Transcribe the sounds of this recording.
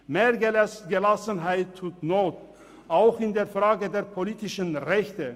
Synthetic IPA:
meːɐɡəlasɡəlasənɦaɪtʰːuːtnoːt̚ | ʔaʊxɪndeːɐfʁ̥aːɡədeːɐpʰoliːtɪʃənʁɛçtə

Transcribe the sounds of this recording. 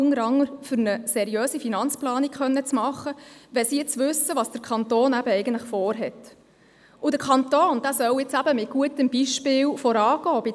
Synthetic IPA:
ʊnəɾɑŋːəɾfʏɾnəsɛɾijøːsifinɑnt͡splɑːnikχœnːət͡smɑχːəʋɛsiːɪt͡sʋʉsəʋɑːsd̥əɾkʰɑnt̪oːnæb̥əɛjɡəntləχfɔːɾɦɛt | ʊdəɾkʰɑnt̪oːnd̥æːsœwɪt͡sæbəmɪt̚ɡ̥uətəmbiʃpɪːlfɔɾɑːɡ̥ɔːbɪ

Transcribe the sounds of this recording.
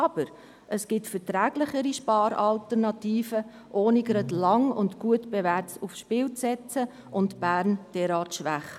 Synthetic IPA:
ɑb̥əɾ | ʔəsɡ̥ɪtfɛtɾæːɡlɪχəɾiʃpɑːɾɑltəɾnɑtiːfə | ʔoːniɡɾɑdlɑŋʊ̰ndɡ̥uətb̥evæːɾtufsʃpɪːlt͡sɛt͡sə | ʔʊntb̥æːɾnd̥ɛɾɑːtʃʋæχ

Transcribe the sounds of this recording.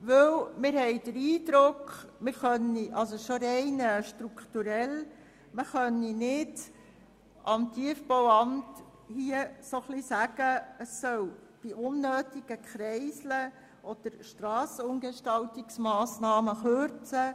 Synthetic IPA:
ʋɵwmɪɾhɛɪd̥əɾiːd̪ɾʊkmɪɾχœniʔɑlsoʃoɾɛɪnəʃtɾuktuɾɛl | məχœnːinɪd | ʔɑmtʰiəfbowɑmt | hiəsoχlisæɡ̥əəsːœw | b̥iʔʊnːøːtiɡ̥əkχɾɛɪslə | ʔɔd̪̥əɾʃtɾɑːsəʊŋɡeʃtɑltiksmɑːsnɑːməχøɾt͡sə

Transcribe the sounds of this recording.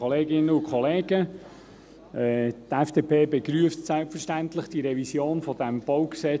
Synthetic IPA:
oleːɡɪnːəʊkʰχɔleːɡə | ʔɛːt̪ɛfd̥eːpʰeːbeɡɾyəftsælpfəʃtænt̪lɪχd̥iɾɛvisjoːnfɔd̥æmb̥oʊwksɛ

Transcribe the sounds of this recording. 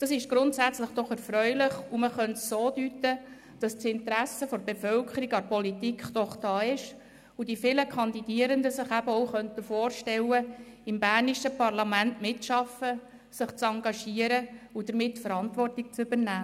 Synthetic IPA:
d̥ɑsɪʃɡ̥ɾʊntsæt͡sləχd̥ɔχɛɾfɾœʏlɪχuməχœntsoːdyt̪ə | d̥ɑstsɪnt̪ɾæsəfɔɾbefœlkʰəɾiɡɑpɔlitikχd̥ɔχd̥ɑːɪʃ | udifɪləkʰɑnd̪id̥iəɾəndəsɪχæbəɔwχœntəfoːrʃtɛlːəɪmbæːrniʃəpɑrlɑmæntmɪtʃɑfə | sɪχt͡sɑŋɡɑʃiəɾəud̥əɾmɪtːfəɾɑntvɔrtɪk̚t͡sʏbəɾnæː

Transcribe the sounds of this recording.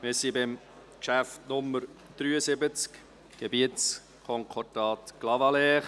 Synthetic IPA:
mɪsibɪm | kʃæftnʊməɾd̥ɾyːəsɪbət͡sk | ɡ̥ebiətt͡s | kʰɔŋkʰɔdɑːt̪ɡ̥lɑvɑlɛːχ

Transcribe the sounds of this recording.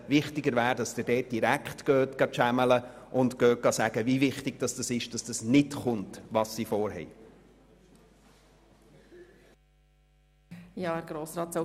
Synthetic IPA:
vɪχtɪɡəɾvæːɾdɑsd̥ədɛːt̚d̥iɾækχtɡ̥øːtɡ̥ɑʃæmələʔʊntɡ̥œːɡɑsæɡ̥əvivɪχtɪɡ̥d̥ɑsd̥ɑsɪʃd̥ɑsd̥ɑsnɪtχʊntʋɑsːifɔːɾɦɛ̰j | jɑːæɾɡ̥ɾoːsɾɑːt̪sa

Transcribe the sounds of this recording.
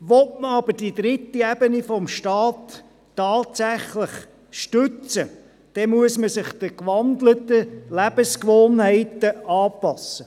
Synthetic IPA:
ʋɔtməɑbəɾd̥id̪ɾɪtːiɛb̥ənifɔmʃtɑːtː | ɑːtsæχlɪχ | ʃtʉt͡sə | d̪̥ɛmuəsməsɪχd̥̪əkʋɑndlətəlæb̥əskʋoːnhɛɪtəɑːpɑsə

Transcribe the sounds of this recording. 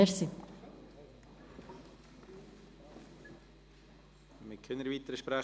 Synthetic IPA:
ɛɾsi | mɪkʰønəɾvit̪əɾəʃpɾæ

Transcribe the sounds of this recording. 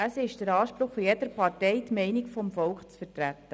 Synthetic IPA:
əsɪʃd̥əɾɑːʃpɾʊχfɔjɛdəɾpʰɑrtɛɪtmɛɪnikfɔmfɔlkχt͡sfərtɾætːə

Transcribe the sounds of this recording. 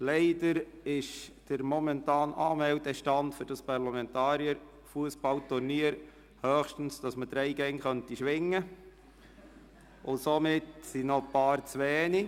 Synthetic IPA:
lɛɪdəɾɪʃd̥əɾmɔmɛntɑːnɑːmɛltɛʃtɑndfʏɾd̥ɑspɑɾlɑmɛntɑːɾjəɾ | fuəsb̥ɑltʊɾniːəɾ | hœːχʃtən̩sd̥ɑsməd̥ɾɛɪɡɛŋχœntiʃʋɪŋːə | ʊsomɪtsinɔpɑːɾt͡sʋɛːni

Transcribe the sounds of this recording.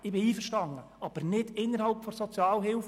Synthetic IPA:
ɪbɪiːfəɾʃtɑŋə | ɑb̥əɾnɪd̥ɪnːəɾhɑlpfɔsɔt͡sjɑːlɦɪlf

